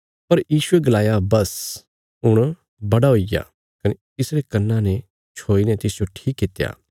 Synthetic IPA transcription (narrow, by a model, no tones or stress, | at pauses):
pɐɾjiːsueɡɐlaːjabɐs | ʊɽ̃ | bɐɽaɦoiɡa̰ | kɐne | ɪsɾekɐnːãnɛ | t͡ʃʰoːinɛt̪ɪsd͡ʒoʈʰiːkːɪt̪ja̰ː